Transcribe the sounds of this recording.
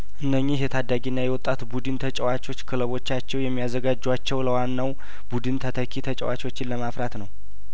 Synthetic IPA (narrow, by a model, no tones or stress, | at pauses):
ʔɨnːəɲːiɦjɛt̪ʰad̪ːaɡinːajɛwɔt̪ʼːat̪bud̪ɨnt̪ʰət͡ʃʼɛwat͡ʃʼo̞t͡ʃːkʰɨləβo̞t͡ʃːat͡ʃːɛwjɛmːijazəɡad͡ʒːwat͡ʃːɛwləwanːaw | bud̪ɨnt̪ʰət̪ʰəkʰit̪ʰət͡ʃʼɛ̰wa̰t͡ʃo̞t͡ʃːɪnləmafɾat̪nəw